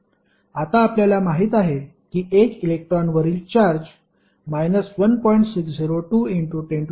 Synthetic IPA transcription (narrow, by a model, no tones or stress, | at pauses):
at̪aːpljalamaɦiːt̪aɦe | kiːʔekilek̚ʈɾɔnʋəɾiːlt͡ɕaɾd͡ʑ | majnəsʋənpɔiɳʈsiksd͡ziɾoʈuːiɳʈuʈeɳʈ